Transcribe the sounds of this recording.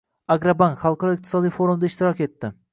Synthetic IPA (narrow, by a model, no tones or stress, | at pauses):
aɡɾabaŋkχɑlˠqʰɑɾɒɪq̚t̪ʰɪsɒd̪ijfoɾumd̪aɪʃt̪ɪɾɒkʲe̞t̪ːɪ